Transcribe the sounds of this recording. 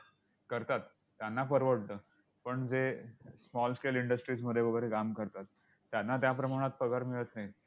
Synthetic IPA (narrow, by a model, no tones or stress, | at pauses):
kəɾt̪at̪ːjanːapəɾʋəɽnəː | pəɳd͡zesmɔlsʈeliɳɖəsʈɾiːd͡zməd̪ʱjebəɡəɾekamkəɾt̪at̪ː | janːat̪̬japɾəmaɽ̃at̪̚pəɡaɾmiɭət̪nai